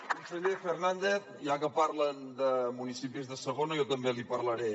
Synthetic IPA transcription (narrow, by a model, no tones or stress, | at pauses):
munsəʎefernand̪eθ | ʒakəpaɾlənd̪əmunisipizðəsəɣonəjɔt̪əmbelipəɾləɾe